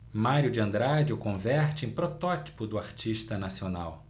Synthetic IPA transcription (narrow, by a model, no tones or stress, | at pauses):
maɾjʊd͡ʒɪɐ̃nd̪ɾad͡ʒʊkõvɛɾt͡ʃɪẽpɾot̪ɔt͡ʃi̥pʊd̪ʊaɾt͡ʃiʃt̪ɐnasiona̰w